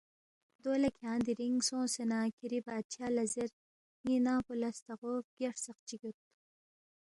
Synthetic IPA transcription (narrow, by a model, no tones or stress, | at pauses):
d̪oːlɐkʲʰãːnd̪iɾiŋsõːsenaːkʰiɾibaːt̪̚t͡ʃʰaːlɐziɾ | ŋinaːpulɐst̪ɐʁoːfɡ̥eʂsɐq̚t͡ɕiɡut̪̚